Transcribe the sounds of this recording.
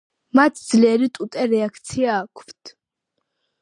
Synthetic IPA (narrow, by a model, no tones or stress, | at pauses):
mat̪ʰd̪zlɛɾit̪ʼut̪ʼɛɾɛakʰt̪sʰiaːkʷʰvt̪ʰ